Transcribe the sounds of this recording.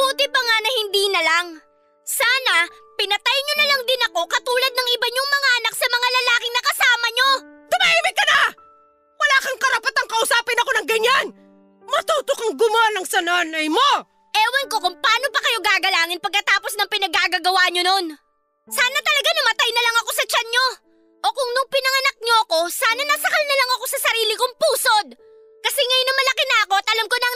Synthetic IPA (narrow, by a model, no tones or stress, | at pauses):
buːt̪ɪpɐŋanɐhɪnd̪iːnɐlaŋ | saːnɐpɪnɐt̪ajɲonɐlɐŋd̪ɪnɐko̞kɐt̪uːlɐd̪̚nɐŋʔɪbɐɲoŋmɐŋaʔɐnak̚sɐmɐŋalɐlaːkɪŋnɐkɐsaːmɐɲo̞t̪ʊmaʔiːmɪkːɐna | wɐlaːkɐŋkɐɾɐpɐt̪aŋkɐʔʊsaːpɪnɐko̞nɐŋɡɐɲan | mɐt̪uːt̪okɐŋɡʊmaːlɐŋsɐnaːnɐjmo | ʔɛːwɐnko̞kʊŋpaːno̞pɐkɐjo̞ɡaːɡɐlaːŋɪnpɐɡ̚kɐt̪aːpo̞snɐŋpɪnɐɡaːɡaɡɐwaːɲono̞n | saːnɐt̪ɐlɐɡanɐmɐt̪ajnɐlɐŋɐko̞sɐt͡ʃɐnɲo̞ | ʔokʊŋnʊŋpɪnɐŋɐnɐk̚ɲoɐko̞saːnɐnɐsɐkɐlnɐlɐŋɐkosɐsɐɾiːlɪkʊŋpuːso̞d̪̚ | kɐsɛŋɐjnɐmɐlɐkɪnɐɐko̞ɐt̪ʔɐlɐmkonɐŋ